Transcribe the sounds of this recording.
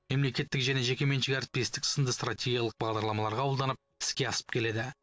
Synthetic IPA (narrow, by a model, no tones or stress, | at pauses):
me̞mle̞kʲe̞t̪ːɪkʒæne̞ʒe̞kʲe̞me̞nʃɪɡʲaɾt̪̚pijist̪ɪksənd̪əst̪ratʰʲe̞ɡʲijɑlˠəq̚bɑʁd̪ɑɾlˠɑmɑlˠɑɾʁɑwlˠd̪ɑnəp̚ɪ̥skʲe̞ɑsə̥p̚kʲʰe̞le̞d̪ɪ